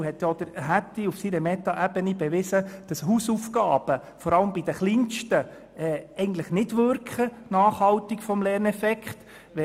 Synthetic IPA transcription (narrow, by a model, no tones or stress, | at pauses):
hɛt̪jɑd̥̪əɾɦætːiufsiɾəmɛt̪ɑʔæb̥ənib̥ɛʋɪsəd̥ɑsɦusufkɑːb̥ə | fɔɾɑləmbid̥̪əχliːnʃtə | ɛːɛɪɡən̩t̪ləχnɪdʋʏɾkχənɑːχhɑltikfɔmlɛːrnɛfɛkχt | ʋɛ